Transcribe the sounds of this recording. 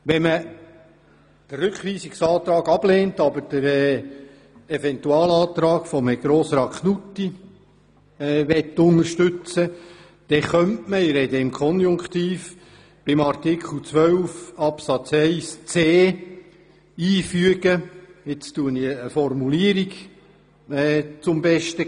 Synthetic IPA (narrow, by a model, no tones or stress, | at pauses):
ʋɛmə | d̥ərɾʉkʋiːsiksɑːt̪ɾɑːɡɑb̥leːntɑbəd̥əɾɛ | ɛvɛnt̪uɑːlɑːt̪ɾɑːɡfɔmɛɡɾɔːsɾɑkχnutːi | ʋɛtːʊnəɾʃtʉt͡sə | d̪̥ɛχœntməɪɾɛd̪əɪmkʰɔnjʊŋkχt̪iːf | b̥ɪmɑrtɪkχl̩ˠt͡sʋœwfɑpsɑt͡sɛɪst͡seː | iːfyəɡəɪt͡stuəniəfɔrmuliəɾiɡ | ɛːt͡sʊmbɛʃtə